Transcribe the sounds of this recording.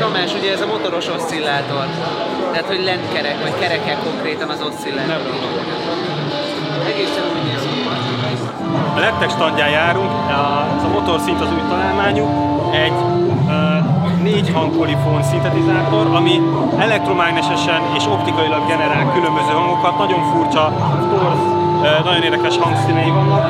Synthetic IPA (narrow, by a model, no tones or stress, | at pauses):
omaːʃuɟɛːzɒmo̞t̪o̞ɾo̞ʃo̞sːilːaːt̪o̞r | t̪ɛɦaːt̪ho̞ɟlɛnt̪kɛɾɛkʋɒckɛɾɛkɛko̞ŋkreːt̪ɒnɒzo̞sːilːaːɛbɾoɡ̪oo | t̪ | ɛɡeːsɛnuːjneːzkot̪i | ɒlɛt̪ːɛkʃt̪ɒnd̪jaːjaːɾuŋk | ɛzɒmo̞t̪o̞rsint̪ɒzuːjt̪ɒlaːlmaːɲu | ɛɟ | neːɟhɒŋkkolifonsint̪ɛt̪izaːt̪o̞ɾɒmi | ɛlɛk̚t̪ro̞maːɡnɛʃɛʃɛneːʃo̞pt̪ikɒjilɒɡɡɛnɛɾaːlkylø̞mbøzøːɦɒŋɡokɒt̪nɒɟo̞ɱfurt͡ʃɒ | pors | ønɒɟoeːrd̪ɛkɛʃhɒŋksinɛjivɒnvɒn